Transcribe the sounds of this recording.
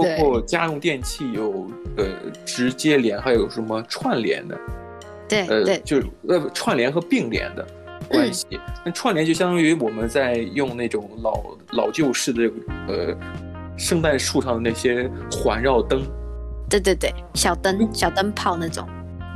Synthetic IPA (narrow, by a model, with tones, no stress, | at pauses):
pɑ˥ʊ˥kʰwɔ˥˧t͡ɕja˥ɻʊ˥˧ŋt̪jɛ˥˧nt͡ɕʰi˥˩jo˨˩ʊə̰˧˩ʈ͡ʂɻ̩˧˥t͡ɕjɛ˥ljɛ˧˥nxa˧˥ɪjo˨˩ʊʂə˧˥mə˧ʈ͡ʂʰwa˥˩nljɛ̰˧˥nd̪ə̰˧ | t̪we˥˩ə˧˥˩t͡ɕjo˥˧ʊ˥˩ə˥˧˩ʈ͡ʂʰwa˥˩nljɛ˧˥nxɤ˧˥pi˥˩ŋljɛ̰˧˥nd̪ə̰˧ | kwwa˥˩nɕḭ˨˥na˥˩ʈ͡ʂʰwa˥˩nlɛ˧˥nt͡ɕo˥˩ɕjɑ˥t̪ɑ˥y˧˥wɔ˨˩mə˦nt͡sa˥˧ɪjʊ˥˧ŋna˥˩ɪʈ͡ʂʊ˨˩˦ŋlɑ̰˨˩ʊ | lɑ˨˩ʊt͡ɕjo˥˧ʊʂɻ̩˥˩d̪ə˩ə˥˩ɡə˩ə̰˧ | ʂɤ˥˧ŋt̪a˥˧nʂu˥˧ʂɑ˥˩ŋd̪ə˩na˥˩ɕjɛ˥xwa˧˥nɻɑ˥˩ʊt̪ɤ˥ŋt̪we˥˧ɪt̪we˥˧t̪we˥˩ɪɕjɑ˨˩ʊt̪ə˥nɕjɑ˨˩ʊt̪ə˥npʰɑ˥˧ʊna˥˩ʈ͡ʂʊ̰˨˩˦ŋ